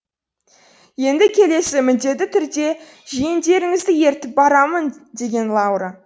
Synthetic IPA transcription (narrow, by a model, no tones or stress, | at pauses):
je̞nd̪ɪkʲʰe̞le̞sɪmʏnd̪e̞t̪ːɪt̪ʰʏɾd̪e̞ | ʒijɪnd̪e̞ɾɪŋɪzd̪ɪje̞ɾt̪ɪp̚bɑɾɑmənd̪e̞ɡʲe̞nlˠɑwɾa